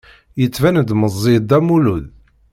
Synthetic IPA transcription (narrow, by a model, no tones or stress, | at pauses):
jət͡sːvænd̪məzˤːid̪æmuluð